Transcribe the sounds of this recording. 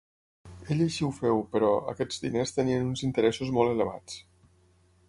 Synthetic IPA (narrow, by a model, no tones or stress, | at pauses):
eʎaʃiwfɛwpəɾɔə̰kɛd͡zd̪inest̪əniənunzint̪əɾɛsuzmɔlˠələβa̰t͡s